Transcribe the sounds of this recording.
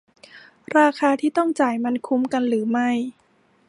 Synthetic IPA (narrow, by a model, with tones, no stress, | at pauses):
ɾaː˧kʰaː˧t̪ʰiː˥˩t̪ɔ˥˩ŋt͡ɕaː˨˩jma˧nkʰu˦˥mka˧nɾɯː˩˦ma˥˩j